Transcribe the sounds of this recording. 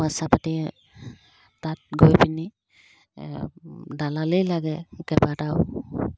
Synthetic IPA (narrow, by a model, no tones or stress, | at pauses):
wasapati | tat̚ɡojpini | dalalɯjlaɡɛkɛbataw